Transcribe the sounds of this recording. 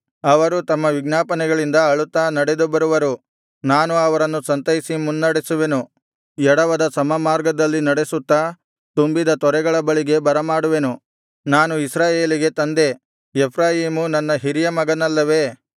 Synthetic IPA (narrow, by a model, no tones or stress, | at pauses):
ɐʋɐɾut̪ɐmːɐʋiɡnaːpɐnɛɡɐɭind̪ɐɐɭut̪ːɐnɐɽed̪ubɐɾuʋɐɾu | naːnuɐʋɐɾɐnːusɐnt̪ɐɦisimunːɐɽesuʋe̞nu | ɛɽɐʋɐd̪ɐsɐmɐmaːɾɡɐd̪ɐlːinɐɽesut̪ːɐ | t̪umbid̪ɐt̪ɔɾɛɡɐɭɐbɐɭiɡe̞bɐɾɐmaːɽuʋe̞nu | naːnuisɾaːjeːliɡe̞t̪ɐnd̪e̞ | epʰɾaːjiːmunɐnːɐɦiɾijɐmɐɡɐnɐlːɐʋe̞